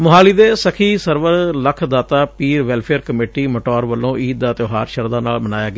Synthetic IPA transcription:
mʊɦaːliːd̪eːsəkʰiːsəɾʋəɾləkʰd̪aːt̪aːpiːɾʋɛːlpʰeəɾkəmeːʈiːməʈɔːɾʋəlːõːʔiːt̪̚d̪aːt̪joːɦaːɾʃəɾd̪aːnaːlmənaːjaːɡɪaː

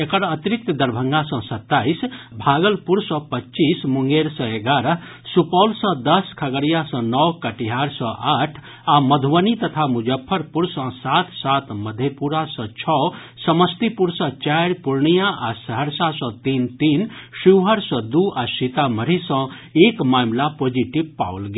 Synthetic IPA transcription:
ekəɾət̪iɾik̚t̪d̪əɾbʱəŋɡãsə̃sət̪ːaisbʱaːɡəlpuɾsə̃pətːt͡ʃismuŋɡeɾsə̃eɡaːɾəɦ | supɔːlsə̃d̪əskʰəɡəɾijasə̃nɔwkəʈiɦaɾsə̃ʔaːʈʰ | aməd̪ʱʋənit̪ət̪ʰamud͡ʒəpʰːəɾpuɾsə̃sat̪ʰsaːt̪məd̪ʱːjepuɾasɔ̃t͡ʃʰɔ | səməst̪ipuɾsə̃t͡ʃaɾpuɾɳijaʔasəɦəɾsasɔ̃t̪iːnt̪iːnʃiwɦəɾsɔ̃d̪uʔasit̪aməɾisə̃ | eːkmaːmlapoːd͡ʒiʈibpa̰wlɡe

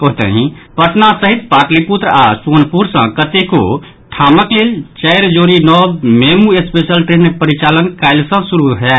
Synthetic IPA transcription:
koɦt̪ə̰ɦĩpəʈʰnasəɦit̪paʈliput̪ɾasonpuɾsə̰̃kət̪eko̰ | ʈʰaməklelt͡ʃəɪɾd͡ʒoɾinɔbmemuespesəlʈɾenpəɾit͡ʃalənkaɪlsə̃suɾuɦɛ

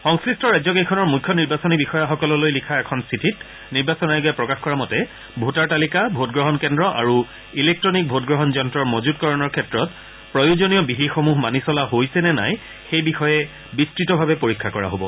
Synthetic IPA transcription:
xɔŋskɹistɔɹajzɔkejkʰɔnɔɹmujkʰːɔniɹbasɔnibixɔjaxɔkɔlɔlojlikʰaɛkʰɔnsitʰit | niɹbasɔnajɡojapɹɔkaxkɔɹamɔtɛ | bʱutaɹtalikabʱotɡɹɔɦɔnkɛndɹɔʔa̰ɹu | ilek̚tɹɔnik̚bʱotɡɹɔɦɔnzɔntɹɔɹmozutkɔɹɔnɔɹkʰɛtɹɔt | pɹɔjuzonijɔbiɦixomuɦmanisɔlaɦojsɛnɛna̰j | xejbixɔjɛ | bistɹitɔbʱabɛpoɹikʰːakɔɹa̰ɦobɔ̰

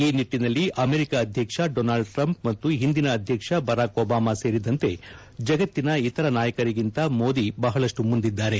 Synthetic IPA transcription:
iːniʈːinɐlːiʔɐme̞ɾikaːd̪ʱjɐkʂɐɖoːnaːlɖʈɾɐmp̚mɐt̪ːuɦind̪inɐːd̪ʱjɐkʂɐbɐɾaːkoːbaːmase̞ːɾid̪ɐnt̪e̞ | d͡ʒɐɡɐt̪ːinɐit̪ɐɾɐnaːjɐkɐɾiɡint̪ɐmo̞ːd̪ibɐɦɐɭɐʂʈumund̪id̪ːaːɾe̞

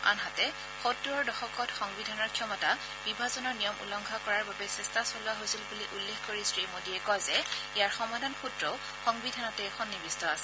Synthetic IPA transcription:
a̰nɦatɛ | xotːuɹɔɹdɔxɔkɔtxɔŋbidʱanɔɹkʰijɔmɔta | b̥ibʱazɔnɔɹnijɔmṵlɔŋɡʱakɔɹaɹbabɛsɛstasɔluaɦosilbuliʔulːexkoɹisɹimodiɛkɔjzɛijaɹxɔmadʱanxutɹɔʊ | xɔŋbidʱanɔtɛːxʰɔnːibistɔasɛ̥

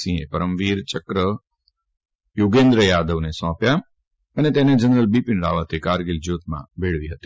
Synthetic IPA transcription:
sĩepəɾəmʋiːɾt͡ʃəkɾə | joɡẽːnd̪ɾəjaːd̪əʋnesɔ̃ːpja | ənet̪ened͡ʒənɾəlbipɪnɾaːʋət̪ʰekaːɾɡɪld͡ʒjoːt̪mã̰beɭʋiɦət̪i̥

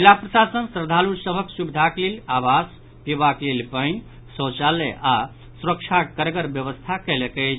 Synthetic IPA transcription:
ilapɾəsasənsɾəd̪ʱaluɾsəbʱəksubid̪ʱaklelabas | pibaklelpəj̃ | sə̃t͡ʃaleʔa | suɾəkt͡ʃʰakəɾɡəɾbjəʋəst̪ʰakɛlekəɪt͡ʃʰ

